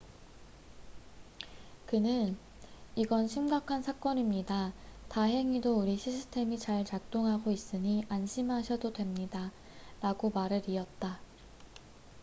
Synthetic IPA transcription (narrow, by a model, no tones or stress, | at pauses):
kɯnɯn | iɡʌnɕʰimɡakʰansʰak͈ʌnimɲidataɦe̞ŋidouɾiɕʰisʰɯ̥tʰe̞mit͡ɕaɭt͡ɕak̚t͈oŋɦaɡois͈ɯɲiʔanɕʰimɦaɕʰʌdodwe̞mɲida | ɾaɡomaɾɯɾiʌt̚t͈a